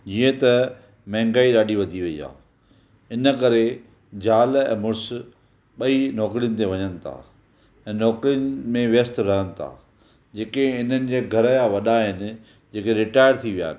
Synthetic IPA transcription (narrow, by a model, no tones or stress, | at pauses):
d͡ʑiə̃t̪ɐ | mɛ̃ɦɪ̃ŋɡaːiɗaːɗiʋɐd̪ʱiʋɐḭːɦa̰ː | ɪnə̆kɐɾe | d͡ʑaːlɛ̰̃ːmʊɾs | ɓɐinɔːkɾijənɪ̆t̪̬eʋɐɲənɪ̆t̪ʰa̰ː | ɛ̃ːnɔːkɾijənɪ̆mẽʋjəst̪ɾɐɦənɪ̆t̪ʰa̰ː | d͡ʑeːkeɪn̤ənɪ̆d͡ʑeːɡʱɐɾəjaʋɐɗaɦɪnɪ̆ | d͡ʑeːkeɾɪʈaːɪjəɾt̪ʰiʋija̰ː